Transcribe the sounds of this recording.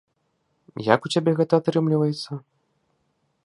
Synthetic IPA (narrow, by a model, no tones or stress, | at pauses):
ja̰kut͡sʲabʲɛɣɛt̪ɐat̪ɾɨmlʲivɐjɛt̪sːɐ